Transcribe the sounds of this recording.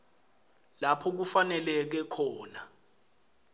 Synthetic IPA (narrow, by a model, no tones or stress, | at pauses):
lapʰɔk̬ufanɛlɛk̬ɛkʰɔːna